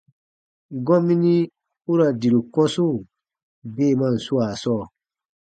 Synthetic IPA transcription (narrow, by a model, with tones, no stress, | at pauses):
ɡɔ̃˦mĩ˦nĩ˦ | u˦ɾa˨di˨ɾu˨kɔ̃˦so˦˨ | beː˦˨mã˦˨n̩˨su˦aː˨sɔː˦˨